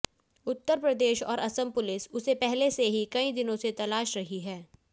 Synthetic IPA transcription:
ʊt̪ːəɾpɾɐd̪eːʃɔ̰ːɾɐsəmpʊlɪsʊsepɛɦleseɦikɐid̪ɪnõset̪ɐlaːʃɾɐɦiɦɛː

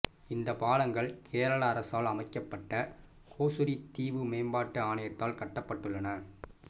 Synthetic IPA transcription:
ɪnd̪ɐpaːlɐŋɡɐɭkʰeːɾɐɭɐːɾɐsaːlɐmɐɪkːɐpːɐʈːɐ | kʰoːsʊɾit̪ːiːʋɯmeːmbaːʈːɯaːɳɐjɐt̪ːaːlkɐʈːɐpːɐʈːɯɭːɐnɐ

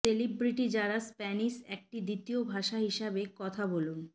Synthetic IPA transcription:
selibɾiʈid͡ʑaɾaspɛniʃɛk̚ʈid̪it̪iobʱaʃaɦiʃabekɔt̪ʰabolun

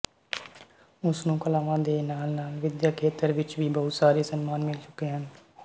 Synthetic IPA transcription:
ʊsnũːkəlaːʋãːd̪eːnaːlnaːlʋɪd̪jaːkʰeːt̪əɾʋɪt͡ʃʋiːbəɦʊt̪saːɾeːsənmaːnmɪlt͡ʃʊ̥keːɦən

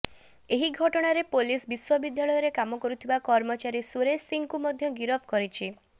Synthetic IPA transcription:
eɦiɡʱɔʈɔɽ̃aɾepolisbiswɔbid̪ʱjaɭɔjɔɾekamɔkɔɾut̪ʰibakɔɾmɔt͡ʃaɾisuɾesiŋkumɔd̪ʱjɔɡiɾɔpʰkɔɾit͡ʃʰi

